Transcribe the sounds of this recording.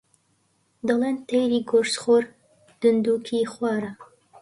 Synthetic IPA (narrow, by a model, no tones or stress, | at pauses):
d̪ɐlˠent̪ejɾiɡoɾsχoɾ | d̪̥ɨnd̪uːkʰixwɑːɾa